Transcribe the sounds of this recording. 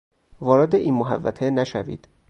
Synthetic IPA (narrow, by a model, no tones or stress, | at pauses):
vɒːɾed̪eʔiːnmoɦæ̰vːæ̰t̪ʰenæʃævḭːd̪̥